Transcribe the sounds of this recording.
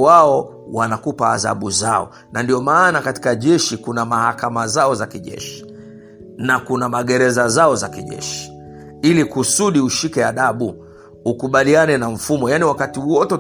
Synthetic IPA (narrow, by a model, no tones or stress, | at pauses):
waɔ | wanakupa̰ːða̰ɓuzaɔ̰ | nandiɔmaːnakati̥kaʄɛʃikunamahakamazaɔzakiʄɛ̰ʃi̥ | nakunamaɠɛɾɛzazaɔzakiʄɛ̰ʃi̥ | ilikusuɗiuʃikɛaɗaɓu | ukuɓalianɛnaɱ̩fumɔjaniwakatiwɔtɛ